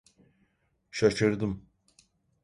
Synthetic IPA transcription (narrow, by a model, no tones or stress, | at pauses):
ʃaʃɯɾd̪ɯm